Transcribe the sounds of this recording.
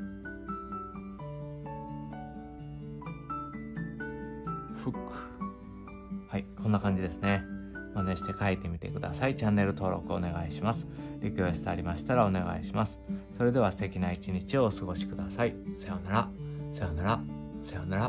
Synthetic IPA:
ɸɯ̟kːɯ̥ | haikʰõ̞nːakãɲ̟d͡ʑid̪e̞sɨne̞moneɕi̥t̪e̞kaet̪e̞mʲit̪e̞kɯ̟d̪a̰sait͡ɕãnːe̞ɾɯ̟t̪o̞ːɾo̞̰kɯ̟one̞ɡaiɕimasɨ̥ɾʲokʲo̞ːɕsi̥t̪aɾʲimaɕi̥t̪aɾao̞ne̞ɡa̰iɕimasɨ̥so̞ɾe̞d̪e̞β̞ast̪ekʲinait͡ɕiɲ̟it͡ɕio̞ːsɨɡo̞ɕi̥kɯ̟d̪asaisajonaɾasajonaɾasajonaɾa

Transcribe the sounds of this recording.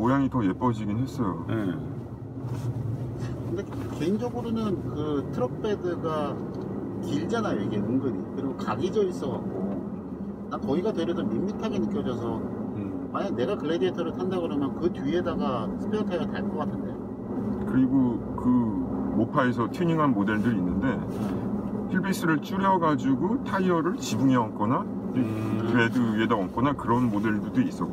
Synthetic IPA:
ojaŋitʌje̞p͈ʌd͡ʑiɡinɦe̞s͈ʌjoe | kɯnde̞ke̞ind͡ʑʌɡɯɾonɯnkɯtʰɯɾʌk̚p͈ʰedɯɡa | kiɭd͡ʑanajojeɡienɯŋɡɯɾikɯɾiɡokaɡid͡ʑʌis͈ʌɣak̚k͈o | nakʌiɡatwe̞ɾjʌsʌmimːitʰaɡenɯk͈jʌd͡ʑʌs̬ʰʌ | maɲane̞ɡakɯɭːedietʰʌɾɯɭtʰandaɡɯɾʌmjʌnkɯtie̞daɡasʰɯ̥pʰeʌtʰʌdataɭk͈ʌk͈atʰɯndḛjo | kɯɾiɡo | kɯmopʰae̞s̬ʰʌtʰjiɲiŋɦanmode̞ɭdɯɾiinːɯnde̞ | pʰiɭbis͈ɯɾɯɭt͡ɕ͈uɾjʌɡad͡ʑuɡotʰaiʌɾɯɭt͡ɕibuŋeʌnk͈ʌna | kɯɾe̞dɯedaʌnk͈ʌnakɯɾʌnmode̞ɭdudois͈ʌk

